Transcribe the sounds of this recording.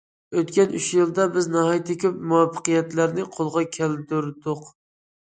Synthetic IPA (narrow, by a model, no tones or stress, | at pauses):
øt̪kʲɛnyʃjɨlˠd̪ɑbɪznɑɦɑjt̪ʰɪkʲʰøpmuwɑfːə̥qɨjɛt̪læɾnɪqʰolˠʁɑkʲʰæld̪yɾd̪ʊq